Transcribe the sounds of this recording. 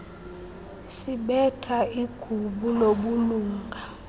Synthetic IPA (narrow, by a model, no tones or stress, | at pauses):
siɓɛtʰaiɡ̥ʱuɓuloɓuluːŋɡʱa